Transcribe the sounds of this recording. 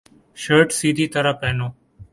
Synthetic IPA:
ʃəːɾʈsiːd̪ʱiːt̪əɾãːpɛːnoː

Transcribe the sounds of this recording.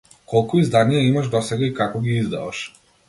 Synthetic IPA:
kɔlˠkuizd̪anijaimaʒd̪ɔsɛɡaikakɔɡiizd̪a̰aʃ

